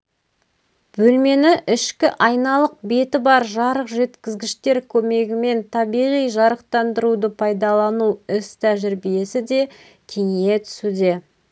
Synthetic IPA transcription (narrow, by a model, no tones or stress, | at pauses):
b̥ɵlme̞nɪʔɪʃkʲɪʔɑjnɑlˠəq̚be̞t̪ɪbɑɾʒɑɾəqʒe̞t̪kʲɪzɡʲɪʃt̪e̞ɾkʲʰɵme̞ɡʲɪme̞nt̪ʰɑbijʁijʒɑɾəqt̪ɑnd̪əɾud̪əpʰɑjd̪ɑlˠɑnuɪst̪ʰæʒɪɾbije̞sɪd̪e̞ | kʲʰe̞ŋe̞t̪ʰʏ̥sud̪e̞